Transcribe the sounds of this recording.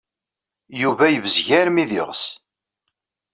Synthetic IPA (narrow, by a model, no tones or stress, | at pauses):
juvæjəvəzʝæɾmiðɪ̰ʁs